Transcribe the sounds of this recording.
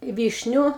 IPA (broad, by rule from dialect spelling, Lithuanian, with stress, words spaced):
ˈʋʲiːʃʲnʲʊ